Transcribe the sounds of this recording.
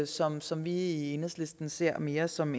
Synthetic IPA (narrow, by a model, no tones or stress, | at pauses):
sɒ̽msɒ̽mʋiie̝nhðˠslesd̥n̩se̝ɐ̰me̝ːɐsɒ̽m